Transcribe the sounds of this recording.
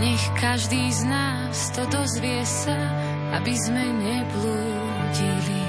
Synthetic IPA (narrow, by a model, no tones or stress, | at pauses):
ɲɛxkaʒd̪iːznaː | st̪ɔd̪ɔzʋɪɛsa | abizmɛɲɛbluː | ɟili